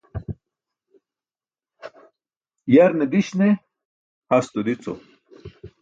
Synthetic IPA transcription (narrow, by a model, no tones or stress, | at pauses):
jɐɾned̪iɕne | hɐst̪od̪it͡so̰